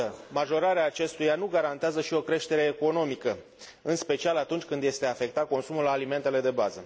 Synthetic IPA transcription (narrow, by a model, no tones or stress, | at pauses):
əmaʒo̞ɾaɾeaːt͡ʃe̞st̪ujanuɡaɾant̪eazəʃio̞kɾe̞ʃt̪e̞ɾe̞ːko̞no̞mikə | ɨnspe̞t͡ʃialat̪unt͡ʃʲkɨnd̪je̞st̪e̞afe̞kt̪at̪̚ko̞nsumulaːlime̞nt̪e̞le̞d̪e̞bazə̰